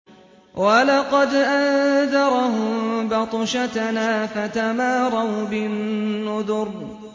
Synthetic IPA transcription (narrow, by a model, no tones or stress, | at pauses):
walɑqɑd̪ʔanðɑɾˤɑhʊmmbɑt̪ˤʃat̪naːfat̪amaːɾˤɑwbɪnːʊðʊɾ